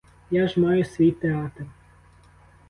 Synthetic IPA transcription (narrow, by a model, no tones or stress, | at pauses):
jaʒmɑjʊsʲʋʲijt̪eɑt̪r